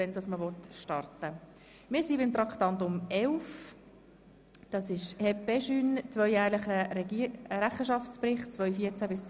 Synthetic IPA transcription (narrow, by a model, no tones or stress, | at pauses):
ɛnd̥ɑsməʋɔtʃtɑrtə | mɪːɾsibɪmt̪rɑktɑntʊmɛlf | d̥ɑsɪʃhɛpɛʃynt͡svœʏjæːɾləχəɾɛɡɾæχəʃɑft͡sprɪχtt͡svœʏfiəɾt͡sæbɪst͡s